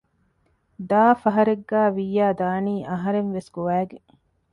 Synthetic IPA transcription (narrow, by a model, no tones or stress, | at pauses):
d̪aːfɐɦɐɾeɡːæːʋijːaːd̪aːniːʔɐɦɐɾenʋesɡoʋæːɡe